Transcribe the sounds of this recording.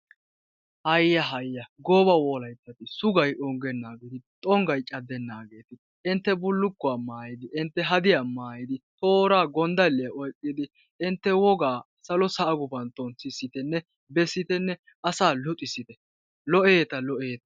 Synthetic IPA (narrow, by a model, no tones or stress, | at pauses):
hɐjjːɐɦɐjːɐɡɔbɐwɔːlɐjt̪ːɐt̪ɪsʊɡɐjʔɔŋɡɛnːaːɡɛd̪ɪt̪ʼɔŋɡɐjt͡ʃʼɐd̪ɛnːaːɡeːt̪ɪ | ɪnt̪ːɛbʊlːʊkːʊaːmaːjɪd̪ɪʔɪnt̪ːɛɦɐd̪ɪjamaːjɪd̪ɪt̪o̞ːɾaːɡɔnd̪ɐlːɪjɐʔɔjkʼːɪd̪ɪ | ɪnt̪ːɛwɔɡaː | sɐlɔsɐʔɐɡʊbɐnt̪ɔnsɪsːɪt̪ɛnːɛ | bɛsːɪt̪ɛnːɛ | ɐsaːlʊt̪ʼɪsɪt̪ɛ | lɔʔeːt̪ɐlɔʔeːt̪ɐ̥